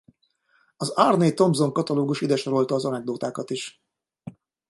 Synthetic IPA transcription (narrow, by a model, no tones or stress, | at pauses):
ɒzarneːt̪o̞mzo̞ŋkɒt̪ɒloːɡuʃid̪ɛʃoɾo̞lt̪ɒːzɒnɛɡ̚d̪oːt̪aːkɒt̪iʃ